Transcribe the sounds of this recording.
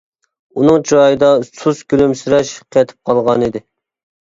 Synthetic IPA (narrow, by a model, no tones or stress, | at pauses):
unɨŋd͡ʒɑjɨd̪ɑsuskʲylymsyɾɛʃqʰɛt̪ʰɪ̥p̚qʰɑlˠʁɑnid̪ɪ